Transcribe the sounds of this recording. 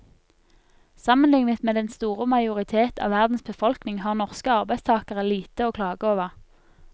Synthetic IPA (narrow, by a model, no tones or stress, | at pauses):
sɑmənlɪŋnət̪meːd̪ɛnst̪uːʁəmɑɪʊʁɪt̪ʰeːt̪ɑ̰ːʋæʁd̪n̩sbəfɔlknɪŋhɑːʁnɔʁskəɑʁbæɪst̪ʰɑːkəʁəliːt̪əoːkʰlɑːɡəoːʋəʁ